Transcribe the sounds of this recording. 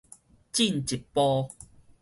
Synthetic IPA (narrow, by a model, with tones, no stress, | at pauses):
t͡ɕi˥˨nt͡ɕi˨˩t̚pɔ˦